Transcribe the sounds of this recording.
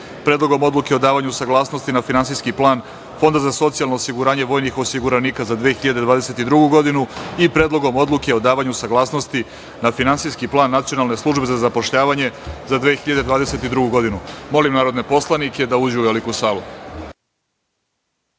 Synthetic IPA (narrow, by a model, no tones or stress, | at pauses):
pɾed̪lo̞ɡo̞mo̞d̪lˠukeo̞d̪aːʋaɲusaɡlˠaːsno̞st̪inafinansijskiplˠaːn | fo̞nd̪azaso̞t̪sijalno̞ːsiɡuɾaːɲe̞ʋo̞ːjnixosiɡuɾaniːkazad̪ʋeːxiʎad̪e̞d̪ʋaːd̪e̞se̞t̪id̪ɾuɡuɡo̞d̪inuipɾed̪lˠo̞ɡo̞mo̞d̪lˠuke̞o̞d̪aːʋaɲusaɡlˠaːsno̞st̪i | nafinansijskiplˠaːnːat̪sijonalˠne̞slˠuʒbezazapo̞ʃʎaːʋaɲe̞zad̪ʋexiʎad̪e̞d̪ʋaːd̪eset̪id̪ɾuɡuɡo̞d̪inumo̞limnaːɾod̪ne̞po̞slˠanike̞d̪auːd͡ʑuuʋelikusaːlu